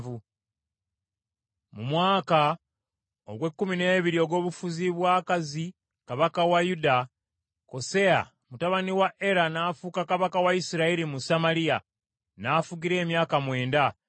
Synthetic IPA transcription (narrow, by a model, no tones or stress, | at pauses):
vu | mumwaːka | o̰ɡwe̞kːumine̞ːβiɾio̞ɡo̞ːβufuziβwaːkazi | kaβakawajuda | ko̞se̞a̰ | mutaβaniwaʔe̞ɾanaːfukakaβakawaisiɾaiɾimusamaɾija | nafuɡiɾe̞ːmjaːkamwe̞ːnda